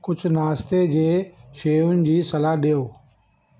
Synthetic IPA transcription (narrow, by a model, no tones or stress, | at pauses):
kʊd͡ʑʱʊnaːst̪ed͡ʑeːʃeːʊnɪ̆d͡ʑiːsɐlaɦɗijoː